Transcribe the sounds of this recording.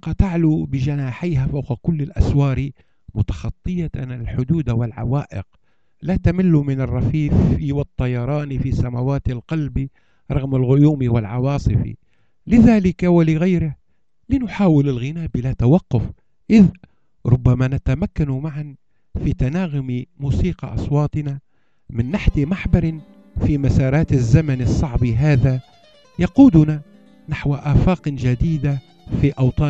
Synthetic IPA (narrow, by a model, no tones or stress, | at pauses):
qɑt̪aʕlubɪʒanaːħajɦafawqkʊlːɪlʔa̰swɑːɾi | mʊt̪ɑxɑt̪ˤːɨjanalħʊd̪uːd̪awɪlʕa̰waːʔɪ̰q | lat̪amɪlːumɪnɪrˤːɑfiːfiwɪt̪ˤːɑjɑɾˤɑːnifisamawaːt̪ɪlqɑlbi | ɾˤɑɣmalɣʊjuːmiwɪlʕɑwɑːsˤɨfḭ | lɪðaːlɪkawɪlɪɣajɾɪh | lɪnʊħaːwɪlɪlɣɪnaːʔbɪlat̪awɑqːʊf | ʔɪð | ɾˤʊbːamanat̪amakːanmaʕan | fit̪anaːɣʊmimuːsiːqɑ̰ʔɑ̰sˤwɑːt̪ˤɨna | mɪnːaħt̪ɪmaħbɑɾˤɪn | fimasɑːɾˤɑːt̪azːamanɪsˤːɑʕbiɦaːða | jɑquːd̪ʊna | naħwaʔaːfaːqd͡ʒad̪iːd̪a | fiʔɑwt̪ˤɑː